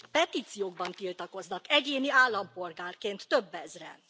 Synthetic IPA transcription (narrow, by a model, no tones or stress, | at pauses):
pɛt̪iːt̪sijoːɡ̚bɒnt̪ilt̪ɒko̞znɒkɛɟeːniaːlːɒmpo̞lɡaːrkeːnt̪ːøbːɛzrɛ̰n